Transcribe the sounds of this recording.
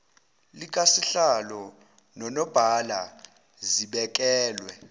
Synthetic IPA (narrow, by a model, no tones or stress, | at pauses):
lik̬ʼasiɬalɔ | nɔnɔb̥ʱala̰ | ziɓɛk̬ʼɛːlwɛ